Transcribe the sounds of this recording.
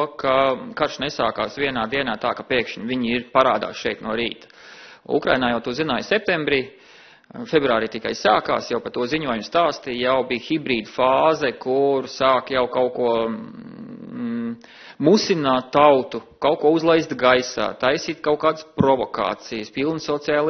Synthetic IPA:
kakaɾʃnɛsaːkaːsʋiɛnaːd̪iɛnaːt̪aːkapiɛkʃɲviɲiɾpaɾaːd̪a̰ːsʃɛjt̪nuɔɾiːt̪ | ṵkɾa̰jnaːjawt̪uzinaːjsɛp̚t̪embɾiː | febɾuaːɾiːt̪ikajsaːka̰ːsjawpat̪uɔziɲuɔjumʊst̪aːst̪ijawbiːxibɾiːd̪faːzɛkuɾsaːkjawkawkuɔ | musinaːt̪ːawt̪u | kawkuɔuzlˠajst̪ɡajsa̰ːt̪ajsiːt̪kaʊkaːd̪spɾɔvɔka̰ːt̪sijəspilˠnsɔt̪siaːlˠ

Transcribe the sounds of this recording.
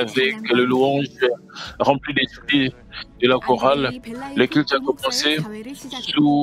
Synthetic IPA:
avɛkləluɑ̃ʒ | ʁɑ̃plid̪esi | d̪əlakɔʁalːəkɛlt̪yakɔmɑ̃sesu

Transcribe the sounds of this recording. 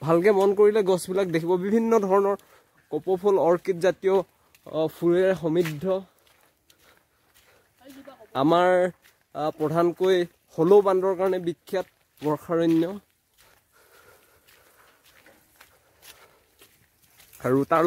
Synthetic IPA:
bʱalkɛmɔnkoɹilɛɡɔsbilak̚dekʰibɔbibʱinːɔdʱɔɹɔnɔɹ | kɔpɔpʰɔlɔɹkitzatijo | pʰuɹɛɹɛxɔmidʱːɔ | amaɹ | pɹɔdʱankoj | xɔlobandɔɹkaɹɔnɛbikʰːjat̚ | ɡɔɹxʰaɹɔnːɔ | aɹuta

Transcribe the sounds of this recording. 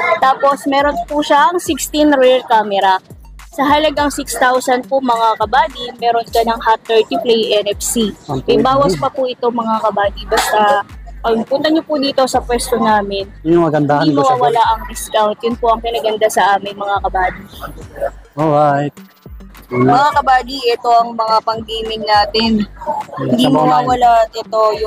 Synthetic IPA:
t̪aːpo̞smɛːɾo̞npuʃaɐŋsɪkst̪inɾɛlkaːmɛɾɐ | sɐɦɐlɐɡɐŋsɪkst̪awsɐnpʊmɐŋakɐbaːd̪imɛːɾonkɐnɐŋhat̪ːɛɹt̪iplɛjʔɛnɛfsiɐjbaːwɐspɐpʊʔɪt̪oŋmɐŋakɐbaːd̪ibɐst̪aɐpʊnt̪ɐɲopʊd̪iːt̪o̞sɐpwɛst̪onaːmɪnjʊmɐɡɐnd̪ahɐnmɐwaːwɐlaʔɐŋdɪskawnt̪̚jʊnpʊʔɐŋkɪnɐɡɐnd̪asɐʔaːmɪŋmɐŋakɐbaːd̪i | ʔoɾat̪̚ | mɐŋakɐbaːd̪iʔɛt̪o̞ʔɐŋmɐŋapɐŋɡiːmɪŋnaːt̪ɪnhɪnd̪imowaːwɐlaɛt̪o̞jʊ

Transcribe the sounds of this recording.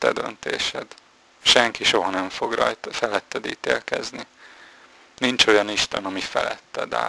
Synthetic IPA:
t̪ːɛd̪ø̰nt̪eːʃɛd̪ | ʃɛŋkiʃo̞ɦɒnɛɱfo̞ɡrɒ̰j̪fɛlɛt̪ːɛd̪ḭːt̪eːlkɛzni | nint͡ʃo̞jɒniʃt̪ɛnɒmifɛlɛt̪ːɛd̪a̰ː

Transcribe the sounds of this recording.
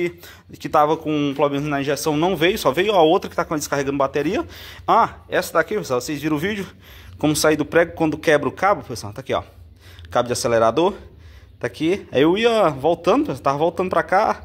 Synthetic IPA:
i | kɪt̪avɐkõpelomẽnʊznɐĩʒesɐ̃w̃nɐ̃w̃vejʊsɔvejʊaowt̪ɾɐkɪ̥t̪akõɐd̪ɪskaɦeɡɐ̃nd̪ʊbat̪eɾiɐaɛsɐd̪akivesãvosezviɾ̃ʊvid͡ʒʊ | kõmʊsaid̪ʊpɾɛɡjʊkwɐ̃nd̪ʊkɛbɾɐʊkabʊfesɐ̃t̪akiɔ̰ | kabʊd͡ʒɪaseleɾad̪oɾ | t̪akiaiewiɐvowt̪ɐ̃d̪ʊpst̪avɐvowt̪ɐ̃d̪ʊpɾaka

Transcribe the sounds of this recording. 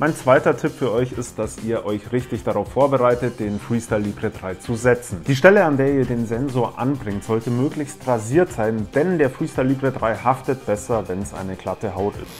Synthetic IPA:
mʔaɪnt͡sv̥aɪtɐtʰɪpfyːɐʔɔʏçɪstd̥asiːɐʔɔʏçʁɪçtɪçd̥aʁaʊfːoːɐbəʁaɪtət̚d̥eːnfʁ̥iːstalːiːbʁədʁaɪt͡suzɛt͡sn̩d̥iːʃtɛləandeːɐiːɐdeːnzɛnzoːɐʔa̰nbʁɪŋtz̥ɔltəmøːklɪçstʁaziːɐtz̥aɪnd̥ɛnd̥eːɐfʁ̥iːstalːiːbʁədʁaɪhaftət̚b̥ɛsɐvɛnsʔa̰ɪnəkl̥atəɦaʊtɪ̰st

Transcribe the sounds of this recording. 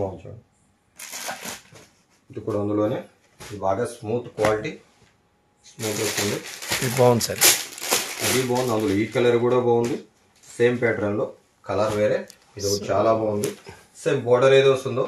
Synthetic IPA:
aːut͡ʃɐ̰ | ɐd̪ukuːɽɐnd̪uloːne̞ː | id̪ibaːɡaːsmuːt̪ʰkʋaːliʈi | smuːt̪est̪und̪iiibaːwund̪isɐːɾe | ɐd̪ibaːwund̪ɐnd̪uloːiːkɐlɐɾkuːɽaːbaːwund̪i | se̞ːmpeːʈɾɐnlo̞ː | kɐlɐɾʋeːɾeː | id̪ɐut͡ʃaːlaːbaːwund̪i | seːmbɔːɖɐɾeːd̪ʋɐst̪und̪oː

